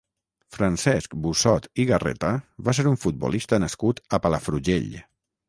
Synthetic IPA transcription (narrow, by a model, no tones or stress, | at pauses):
fɾansɛskbusɔt̪iɣarɛ̰t̪əβas̬eɾuɱfud̪̚bṵlist̪ənəskut̪əpaləfɾuʒḛʎ